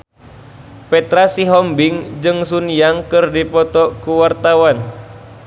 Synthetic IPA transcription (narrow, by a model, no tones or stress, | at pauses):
pɛt̪ɾasiɦɔmbiŋd͡ʒɨŋsunijaŋkɨrdipɔt̪ɔkuwart̪awan